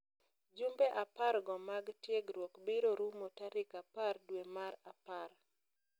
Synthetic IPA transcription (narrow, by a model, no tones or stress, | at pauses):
d͡ʒumbeʔapaɾɡɔmaɡtjeɡɾwokbiɾoɾumotaɾɪkapardwemaɾapaɾ